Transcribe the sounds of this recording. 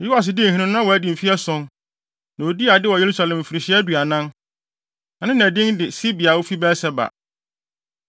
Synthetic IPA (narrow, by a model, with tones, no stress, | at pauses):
ju˦a˨s̬ɪ˨dɪ˦n̩˨ɦĩ˦nɪ̃˦nʊ̃˦ã˦wɔ˨æ˦di˨m̩˨fi˦ɛ˦sɔ̃˦n | nã˨o˨di˦a˨dɪ˦wɔ˨je˨ɾu˦sa˨lɛ̃˨m˨fi˨ɾɪ˨ɕɪ˦ɛ˦dɥa˨nã˦n | nã˨nɪ̃˦næ̃˨dɪ̃˦ŋdɪ˨si˦bi˨a˨wo˦fi˦bɛ˦sɛ˦ba̰˨